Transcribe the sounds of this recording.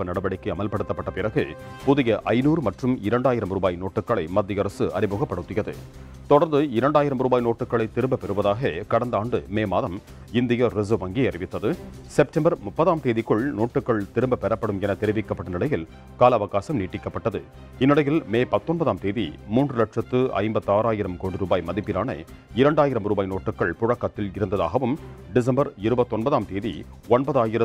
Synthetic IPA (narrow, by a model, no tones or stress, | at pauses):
pːɐnɐɽɐbɐɽɪkːɐɐmɐlpɐɽɯt̪ːɐpːɐʈːɐpɪɾɐɣɯ | pʊðɪjɐʔɐɪnuːɾɯmɐʈrɯmɪɾɐɳɖaːjɪɾɐmɾuːbaːjnoːʈːɯkːɐɭɐɪmɐd̪ːɪjɐɾɐsɯʔɐ̰ɾɪmoːɣɐpːɐɽɯt̪ːɪjɐðɯ̰ | t̪ɔɽɐɾnd̪ɯɪɾɐɳɖaːjɪɾɐmɾuːbaːjnoːʈːɯkːɐɭɐɪt̪ɪɾɯmbɐpɛɾɯʋɐðaːɣɐkɐɽɐnd̪aːɳɖɯmeːmaːðɐm | ɪnd̪ɪjɐɾɪzoʋɐŋɡiɐrɪʋɪt̪ːɐðɯ | sɛp̚ʈɐmbɐɾmʊpːɐðaːmt̪eːðɪkːɯɭnoːʈːɯkːɐɭt̪ɪɾɯmbɐpɛɾɐpːɐɽɯmɛnɐt̪ɛɾɪʋɪkːɐpːɐʈːɐnɪɽɐjɪl | kaːlɐʋɐɣaːsɐmniːʈːɪkːɐpːɐʈːɐðɯ | ɪnːɪɽɐjɪlmeːpɐt̪ːɔnbɐðaːmt̪eːðḭmuːndrɯlɐʈʂɐt̪ːɯɐ̰ɪmbɐt̪ːaːɾaːjɪɾɐmkoːɳɖɯɾuːbaːjmɐðɪpːɪnaːnɐ̰ | ɪɾɐɳɖaːjɪɾɐmɾuːbaːjnoːʈːɯkːɐɭpʊɻɐkːɐt̪ːɪlɪɾɯnd̪ɐða̰ːɣɐʋɯmɖɪs̬ɐmbɐɾɪɾɯbɐt̪ːɔnbɐðaːmt̪eːðḭ | ɔnbɐðaːjɪɾɐ